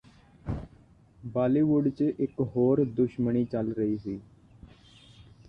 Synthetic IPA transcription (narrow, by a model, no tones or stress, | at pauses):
baːliːʋʊɖt͡ʃʔɪkɦoːɾd̪ʊʃməɳiːt͡ʃəlɾəɦiːɦiː